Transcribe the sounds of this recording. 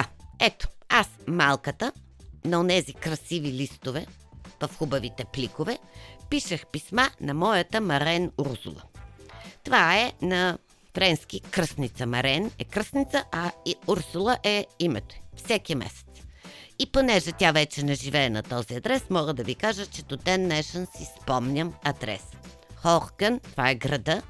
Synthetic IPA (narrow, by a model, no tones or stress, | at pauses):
ɛt̪o̥asmalˠkət̪ə | nɐonɛzikɾɐsivilist̪ovɛ | vɐfxubɐvit̪ɛplikovɛpiʃəxpismanɐmɔjət̪əmɐɾɛnuɾsṵlˠə̰ | t̪ovaɛnɐ | fɾɛnsk̟ikɾəsnit̪səmɐɾɛnɛkɾəsnʲit̪səʔɐuɾsulˠəʔɛimɛt̪o̥ifsɛkimɛ̰sɛ̥t̪siponɛʒɛt̪ʲavɛt͡ʃɛnɛʒivɛːnɐt̪ɔziɐd̪ɾɛsmɔɡəd̪ɐvikaʒət͡ʃɛd̪od̪ɛnːɛʃənsispɔmnʲəmɐd̪ɾɛ̰s | xɔxɡənt̪ovaɛɡɾɐd̪ə